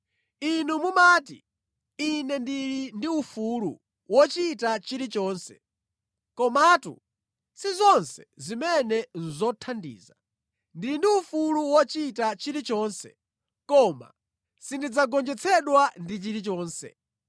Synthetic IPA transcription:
inumumaːtḭ | inɛndiɾindiufulṵ | wɔt͡ʃitat͡ʃiɾit͡ʃɔːnsɛ̥̰ | kɔmatṵ | sizɔnsɛ̥zimɛnɛn̩zɔtʰandḭːza | ndiɾindiufuluwɔt͡ʃitat͡ʃiɾit͡ʃɔːnsɛ̰ | kɔma̰ | sindid͡zaɡɔnd͡ʒɛt͡sʰɛɗwandit͡ʃiɾit͡ʃɔːnsɛ̰

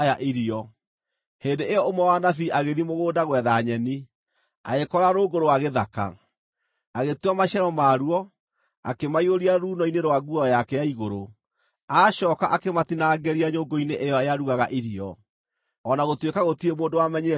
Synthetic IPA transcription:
jaʔiɾiɔ | heːndeejɔomwɛwaːnaθiʔaɣeðimoɣoːdaɣwɛðaɲɛni | a̰ɣekɔɾaɾoːɡoɾowaɣeðaka̰ | aɣetwamaʃɛɾɔmaːɾuɔ | a̰kemaioɾiaɾuːnɔineɾwaɡuɔjakɛjaiɣoɾo | aʃɔkaʔakematinaːɡɛɾiaɲoːɡoineʔejɔejaɾuɣaɣaʔiɾiɔ | ɔnaɣotwekaɣotiemoːndowamɛɲiɾɛ

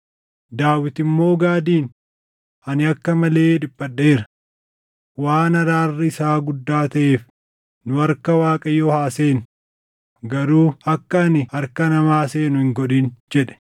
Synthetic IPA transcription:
d̪aːwɪt̪ɪmːo̞ːɡaːd̪iːn | ɐnɪɐkːɐmɐle̞ːᶑɪpːɐɗe̞ːɾɐ | waːnɐɾaːrːɪɪsaːɡʊd̪ːaːt̪ɐʔe̞ːf | nʊɐɾkɐwaːkʼɐjɔhaːseːn | ɡɐɾuːɐkːɐːnɪɐɾkɐnɐmaːseːnʊhɪŋɡɔᶑiːnd͡ʒɛᶑɛ̥

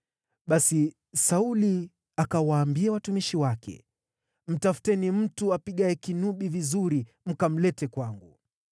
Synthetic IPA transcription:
ɓasi | sauli | akawaːmbiawatumiʃiwakʰɛ̰ | m̩tafu̥tɛnim̩tuapiɠaɛkinuɓivizuɾi | m̩kam̩lɛtɛkwaŋɡu

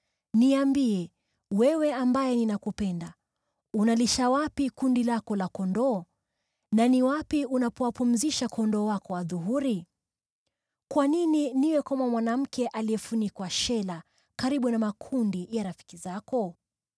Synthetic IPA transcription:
niambiɛ | wɛwɛambajɛninakupɛnda | unaliʃawapikundilakɔlakɔndɔː | naniwapiunapɔwapum̩ziʃakʰɔndɔːwakɔwaðuɦuɾi | kwanininiwɛkamamwanam̩kʰɛʔaliɛfunikwaʃɛla | kaɾiɓunamakʰundijaɾafi̥kizakɔ

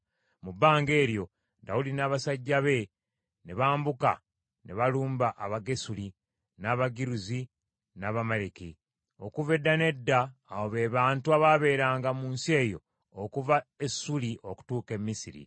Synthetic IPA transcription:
mubːaːŋɡe̞ːɾjo̞ | da̰udinaːβasaɟːaβe̞ | neβaːmbuka̰ | neβaluːmbaʔaβaɡe̞suli | naβaɡiɾuzi | naβamaleki | o̞̰kuve̞dːane̞dːaːwoβe̞βaːntuaβaβe̞ːɾaːŋɡamuːnsie̞ːjo̞̰ː | kuvaesuliʔoku̥tuːke̞mːisiɾḭ

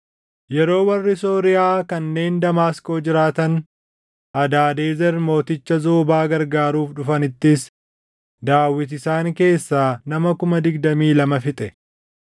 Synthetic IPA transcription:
jɛɾo̞ːwɐrːɪso̞ːɾɪjaːkɐnːe̞ːnd̪ɐmaːsko̞ːd͡ʒɪɾaːt̪ɐn | ʔɐd̪aːd̪eːzɛɾmo̞ːt̪ɪt͡ʃːɐzoːbaːɡɐɾɡaːɾuːfᶑʊfɐnɪt̪ːɪs | d̪aːwːɪt̪̬ɪsaːŋke̞ːsːaːnɐmɐkʊmɐd̪ɪɡd̪ɐmiːlɐmɐfɪt̪ʼɛ

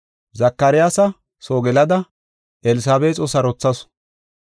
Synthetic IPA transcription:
zɐkːɐɾɪjaːsɐ | soːɡɛlɐd̪ɐ | ʔɛlɪs̬aːbeːt͡sʼɔsɐɾɔt͡sːɐs

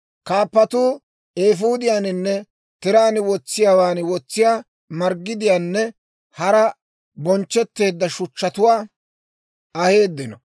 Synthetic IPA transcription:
kaːpːɐt̪uː | eːfuːd̪ɪjaːnɪnːɛ | t̪ɪɾaːnwɔt͡sːɪjaːwaːnwɔt͡sːɪjaː | mɐɾɡːɪd̪ɪjaːnːɛ | hɐɾɐ | bɔnt͡ʃːɛt̪ːe̞ːd̪ːɐʃʊt͡ʃːɐt̪ʊwaː | ɐhe̞ːd̪ːɪnɔ

